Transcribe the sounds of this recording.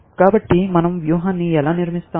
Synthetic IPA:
kaːbɐʈːimɐnɐmʋjuːɦaːnːiɛlaːniɾmist̪aː

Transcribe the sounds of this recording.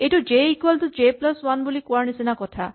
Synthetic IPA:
eʈud͡ʒeikwalʈud͡ʒeplɔswanbolikwaɾnisenakɔt̪ʰa

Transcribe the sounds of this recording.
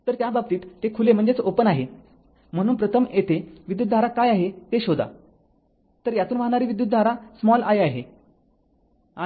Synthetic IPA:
t̪əɾt̪jabab̚t̪iːt̪ːekʰulem̤əɳd͡zet͡sopənaɦe | m̤əɽ̃uːnpɾət̪ʰəmjet̪eʋid̪jut̪d̪ʱaɾakajaɦet̪eɕod̪a̰ | t̪əɾjat̪uːnʋaɦɳaɾiːʋid̪jut̪d̪ʱaɾasmɔlajaɦe | a

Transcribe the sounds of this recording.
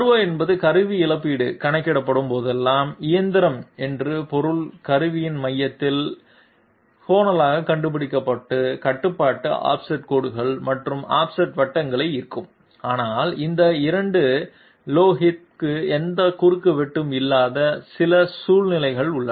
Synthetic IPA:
ɐɯʋɐɛnbɐðɯkɐɾɯʋiɪlɐpːiːɽɯkɐɳɐkːɪɽɐpːɐɽɯmpoːðɛlːaːmɪjɐnd̪ɪɾɐmɛndrɯpɔɾɯlkɐɾɯʋɪjɪnmɐjːɐt̪ːɪl | foːnɐlaːɣɐkɐɳɖɯp̬ːɪɽɪkːɐpːɐʈːɯkɐʈːɯpːaːʈːɯʔa̰ːpsɐʈ̚koːɽɯɣɐɭmɐʈrɯma̰ːpsɐʈʋɐʈːɐŋɡɐɭɐɪɪɾɯkːɯm | aːnaːlɪnd̪ɐɪɾɐɳɖɯ | loːɦɪt̪̚kɯɛnd̪ɐkʊɾɯkːɯʋɛʈːɯmɪlːaːðɐsɪlɐsuːlnɪlɐɪɣɐɭʊɭːɐ

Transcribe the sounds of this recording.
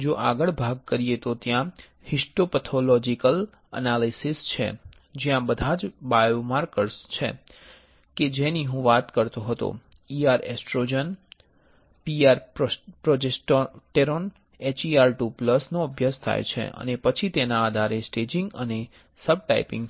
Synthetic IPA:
d͡ʒoʔaɡəɭbʱaɡ̚kəɾijet̪ot̪jã | hisʈopət̪ʰolɔd͡ʒikəl | ə̰nalisist͡ʃʰḛ | d͡ʒjãbəd̪ʱad͡ʒbajomaɾkəɾst͡ʃʰḛ | ked͡ʒeniɦũʋat̪kəɾt̪õɦət̪o̰ | iaɾḛsʈɾod͡ʒən | piaɾpɾod͡ʒesʈoʈeɾon | et͡ʃiaɾʈupləsnoəbʱjəst̪ʰa̰jt͡ʃʰḛʔə̰nepət͡ʃʰit̪enaːd̪ʱaɾesʈed͡ʒĩŋɡəne | səb̚ʈa̰ipɪ̰̃ŋɡ

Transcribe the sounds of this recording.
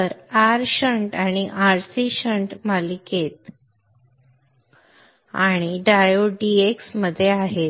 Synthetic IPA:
t̪əɾaɾɕəɳʈaɽ̃iʔaɾsiɕəɳʈmaliket̪ | a̰ɽ̃iɖajoɖieksməd̪ʱːjeaɦet̪̚

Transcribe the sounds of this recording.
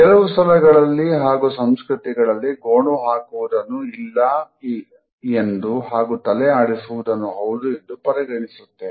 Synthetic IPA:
kɛlɐʋust̪ɐlɐɡɐɭɐlːiɦaːɡusɐmskɾut̪iɡɐɭɐlːiɡoːɳuɦaːkuʋud̪ɐnːuilːɐ | end̪uɦaːɡut̪ɐlɛaːɽisuʋud̪ɐnːuɦɐwd̪ue̞nd̪upɐɾiɡɐɳisut̪ːe̞

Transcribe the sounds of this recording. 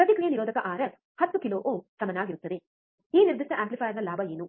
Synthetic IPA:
pɾɐd̪ikɭijɐniɾoːd̪ɐkɐʔaːɾɐs | hɐt̪ːukiloːʔoːsɐmɐnaːɡiɾut̪ːɐd̪e | iːniɾd̪iʂʈɐʔaːmplipʰaːjɐɾnɐlaːbʱɐeːnu

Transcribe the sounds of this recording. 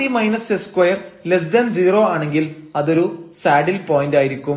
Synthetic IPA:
imɐjnɐseskwɐjɐrles̬dɐnd͡ʑiːro̞ːaːɳe̞ŋɡilɐðo̞ɾusaːɖilpoːjindaːjiɾikʲːum

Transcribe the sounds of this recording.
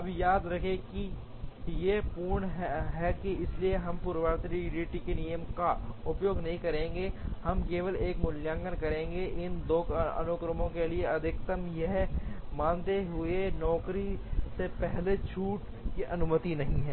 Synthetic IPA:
ɐbjaːd̪ɾɐkʰẽki | jepuːɾɳɦɦɛkiɪslieɦɐmpʊɾʋaːɾt̪ɾiɖiːʈikenijəmkaʊpjoːɡnɐɦĩkɐɾẽːŋɡehɐmkeːʋəleːkmʊljãːŋɡəɾkɐɾẽːŋɡeʔɪnd̪oːkɐ̰nokɾəmõkelieɐd̪ʱɪkt̪əmjeɦmãːnt̪eɦʊenɔːkɾisepɛɦlet͡ʃʰuːʈ | kiʔɐnʊmət̪inɐɦĩɦɛː

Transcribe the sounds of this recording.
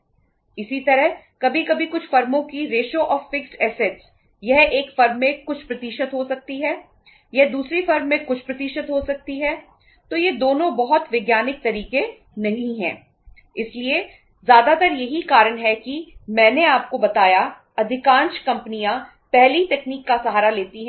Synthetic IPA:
ɪsit̪ɐɾəɦ | kɐbʱikɐbʱikʊt͡ʃʰfɐɾmõkiɾeːʃoʔɔːɾfɪksʈɛːseʈs | jɐɦeːkfɐɾmːẽkʊt͡ʃʰpɾɐt̪iːʃət̪ɦosɐk̚t̪iɦɛː | jɐɦd̪uːsɾifɐɾmːẽkʊt͡ʃʰpɾɐt̪iːʃət̪ɦosɐk̚t̪iɦɛː | t̪oːjed̪oːnõbɐɦɔt̪ʋɪɡjaːnɪk̚t̪ɐɾiːke | nɐɦĩɦɛ̰̃ː | ɪslie | zjaːd̪at̪ɐɾjɐɦikaːɾənɦɛkimɛ̃ːneaːp̚kobɐt̪aːja | ɐd̪ʱɪkãːnʃkɐ̃mpnijã | pɛɦlit̪ɛːkniːkːasɐɦaːɾaleːt̪iɦɛ̃

